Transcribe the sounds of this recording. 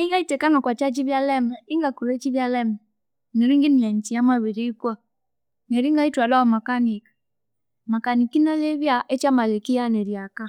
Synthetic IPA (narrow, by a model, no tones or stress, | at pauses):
iŋɡaitɛkanɔkwat͡ʃat͡ʃiβjalɛmɛɪŋɡakulet͡ʃiβjalɛmɛ | nɛɾiŋɡinlant͡ʃiamaβiɾikwa | nɛɾiŋɡaitwalɔmakanik | makanikinaleβjaʔet͡ʃamalɛkianɛɾjaka